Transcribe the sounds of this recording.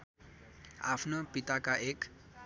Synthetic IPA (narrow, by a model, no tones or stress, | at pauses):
a̰pʰnopit̪akaʔek